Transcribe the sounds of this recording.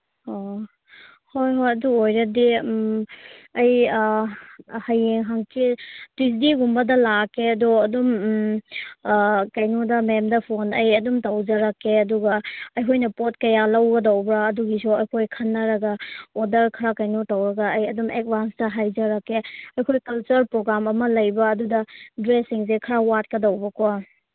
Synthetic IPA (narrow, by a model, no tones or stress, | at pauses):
ho | hojɦojɐduojɾɐdi | ɐj | hɐjeŋɦaŋkitis̬diɡumbɐdɐlakeɐdɔɐdum | kɐjnudɐmemdɐpʰonɐjɐdumtɐwd͡ʒɐɾɐkːeɐduɡɐɐjkʰojnɐpot̚kɐjalɐwɡɐdɐwbɾɐːduɡisoɐjkʰojkʰɐnːɐɾɐɡɐodɐɾkʰɐɾakɐjnutɐwɾɐɡɐːjɐdumʔek̚bʱanstɐɦajd͡ʒɐɾɐkːeɐjkʰojkɐlt͡ʃɐɾpɾoɡɾamɐmɐlɐjbɐːdudɐdɾesiŋs̬ekʰɐɾawat̚kɐdɐwbɐkʰɔ